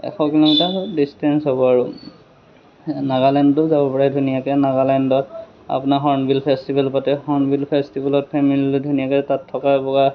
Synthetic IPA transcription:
ɛ̰xɔkilɔmitadistɛnsɦɔbɔaɹʊ | naɡalɛndtʊzabɔpɔɹajdʱunijakɛnaɡalɛndɔt | a̰pʊnaɦɔɹnbʱilpʰɛstibʱɛlpatɛhɔɹnbʱilpʰɛstibʱɛlɔt̚pʰɛmililɔdʱunijakɛtatʰːɔkaɛbɔɡa

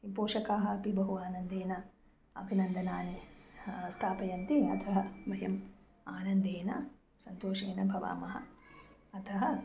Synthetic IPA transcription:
ipoːʃɐkaːɦɐɐpibɐɦuaːnɐnd̪eːnɐ | ɐ̰bʱinɐnd̪ɐnaːne | st̪ʰaːpɐjɐnt̪iɐ̰t̪ʰɐɦɐbɐɦjɐm | aːnɐnd̪eːnɐ | sɐnt̪oːʃeːnɐbʱɐʋa̰ːmɐɦɐ̰ɐt̪ʰɐɦɐ

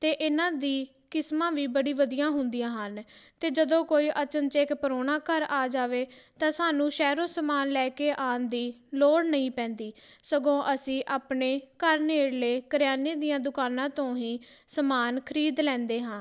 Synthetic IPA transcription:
t̪eːʔɪnãːd̪iː | kɪsmãːʋiːbəɽiːʋəd̪ijãːɦʊnd̪ijãːɦənt̪eːd͡ʒəd̪õːkoːiːʔət͡ʃənt͡ʃeːkpəɾoːnãːkəɾaːd͡ʒaːʋeːt̪ãːsaːnũːʃɛːɾoːsəmaːnlɛːkeːʔaːnd̪iːloːɽnəĩːpɛ̃ːnd̪iːsəɡõːʔəsĩːʔaːpɳeːkəɾneːɽleːkəɾjaːneːd̪ijãːd̪ʊkaːnãːt̪õːɦĩː | səmaːnkʰəɾiːd̪lɛ̃ːnd̪eːɦãː

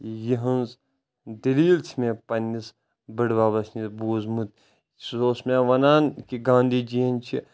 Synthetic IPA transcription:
jiɦɐnz | d̪ɐliːlt͡ʃʰmẽpɐnʲːis | bəɽʋaːbɐsnisbuːzmut̪̚ | soːsmeʋɐnaːnkiɡãːnd̪id͡ʒiɐnt͡ʃʰi

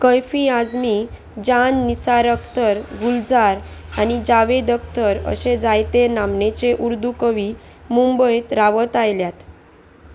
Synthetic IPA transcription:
kəjfiad͡zmi | d͡ʑanːisaɾəkt̪əɾɡuld͡zaɾanid͡ʑaʋed̪ək̚t̪əɾə̰ɕed͡zajt̪enamnet͡ɕeʔuɾd̪ukəʋi | mumbəjt̪ɾaʋət̪ajljat̪

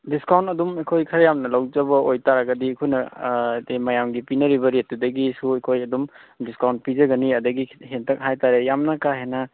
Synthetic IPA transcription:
diskawntɐdumekʰojkʰɐɾjamnɐlawzɐbɐojtaɾaɡɐdikʰojnɐtemɐjamɡipinɐɾibɐɾet̚dudɐɡisuekʰojɐdumdiskawnt̚pizɐɡɐniɐdɐɡihentʰɐk̚ɦajtaɾejamnɐkaɦenɐ

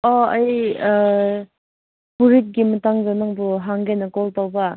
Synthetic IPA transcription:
ɔɐj | puɾit̚ɡimɐtaŋzanaŋbuɦaŋɡenɐkɔltawba

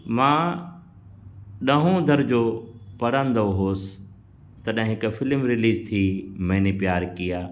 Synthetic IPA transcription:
mãː | ɗɐɦõd̪ʱɐɾd͡ʑoːpɐɽə̃nd̪oɦoːsɪ̥ | t̪ɐɗɦɪ̃ɦɪkfɪlmɾɪliːzt̪ʰiːmɐ̃ɦnipjaːɾkijaː

